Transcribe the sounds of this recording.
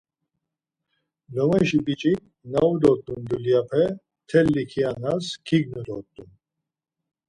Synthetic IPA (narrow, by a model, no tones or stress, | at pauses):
lɔmɛʃibit͡ʃʼik̚ | naud̪ɔt̪ʼːund̪uljapʰɛ | t̪ʰɛlːikʰianaskʰiɡnud̪ɔt̪ʼːun